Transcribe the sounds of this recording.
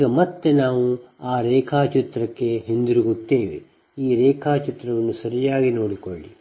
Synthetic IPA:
ɡɐmɐt̪ːe̞naːʋuaːɾɛːkʰaːt͡ʃit̪ɾɐkːe̞ɦend̪iɾuɡut̪ːe̞ːʋḛ | iːɾɛːkʰaːt͡ʃit̪ɾɐʋɐnːusɐɾijaːɡino̞ːɽikoɭːi

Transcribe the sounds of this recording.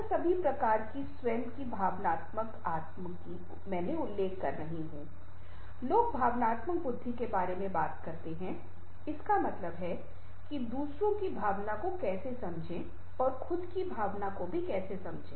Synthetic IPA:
sɐbʱipɾɐkaːɾkiswɛ̃ːnd̪kibʱaːʋnaːt̪mək | aːt̪məki | mɛ̃ːneʊlːeːkːɐ̰ɾnɐɦĩɦũː | loːɡ̚bʱaːʋnaːt̪mək̚bʊd̪ʱːikebaːɾemẽbaːt̪kɐɾt̪eɦɛ̃ | ɪskamɐt̪ləbɦɛ | kid̪uːsɾõkibʱaːʋnakokɛːsesɐ̃md͡ʒʱẽ | ɔːɾxʊd̪kibʱaːʋnakobʱikɛːsesɐ̃md͡ʒʱẽː

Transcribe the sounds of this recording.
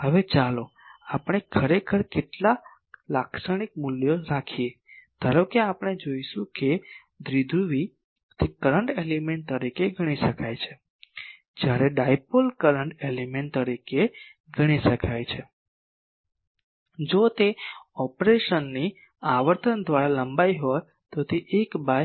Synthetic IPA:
ɦəʋet͡ʃalo | apɽ̃ekʰəɾekʰəɾkeʈla | laksəɽ̃ik̚muljoɾakʰiet̪əɾokeapəɳ̃ed͡ʒoiʃũke | d̪ɾid̪ʱuʋi | t̪ʰekəɾəɳʈelimeɳʈ̚t̪əɾikeɡʱəɽ̃iʃəkʰajt͡ʃʰe | d͡ʒjaɾeɖajpolkəɾəɳʈelimeɳʈt̪əɾike | ɡʱəɽ̃iʃəkʰajt͡ʃʰe | d͡ʒot̪eɔpɾeʃənːi | aʋəɾt̪ʰənd̪ʋaɾaləmbajɦoj | t̪ot̪eʔekbaj

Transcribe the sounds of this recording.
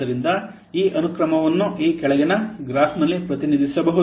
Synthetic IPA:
ɐɾind̪ɐ | iːʔɐnukɾɐmɐʋɐnːuʔiːkɛɭɐɡɛnɐɡɾaːsnɐlːipɾɐt̪inid̪ʱisɐbɐɦu

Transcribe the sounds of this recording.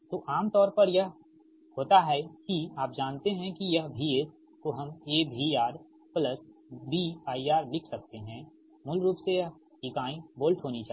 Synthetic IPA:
t̪oːʔaːmt̪ɔːɾpɐɾjɐɦ | hoːt̪aɦɛkiaːp̚d͡ʒaːnt̪eɦɛ̃kijɐɦbʱiɪs | koɦɐmeːbʱiaːɾ | plɐsbiːaːiaːɾlɪkʰsɐk̚t̪eɦɛ̃ | mʊlɾuːpsejɐɦ | ɪkaːĩboːlʈɦoːnit͡ʃaː

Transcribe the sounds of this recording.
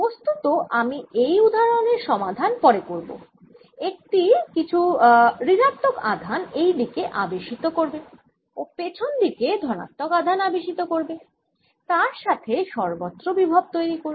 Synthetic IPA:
post̪ut̪oʔamiʔejud̪ʱaɾoneɾʃɔmad̪ʱanpɔɾekoɾbo̰ | ek̚ʈikit͡ɕʰuɾiɾat̪ːoka̰d̪ʱanejɖikeʔabeʃit̪okoɾbe | opet͡ɕʰond̪iked̪ʱɔna̰t̪ːokad̪ʱanabeʃit̪okoɾbe | t̪aɾʃat̪ʰeʃɔɾbot̪ːɾobibʱab̚t̪ojɾikoɾ

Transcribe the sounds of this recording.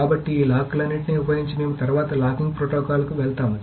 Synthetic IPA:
aːbɐʈːiiːlaːkulɐnːiʈiniupɐjiɲt͡ʃimeːmut̪ɐɾuʋaːt̪ɐlaːkiŋɡ̚pɾoːʈoːkaːlɐkuʋɛɭt̪aːmu

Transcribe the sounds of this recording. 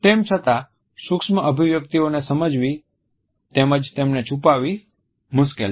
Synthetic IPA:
t̪emt͡ʃʰət̪a | sʊkʃməʔəbʱiʋjək̚t̪ionesəməd͡ʒʋi | t̪eməd͡ʒt̪emnet͡ʃʰupaʋi | mʊʃkel

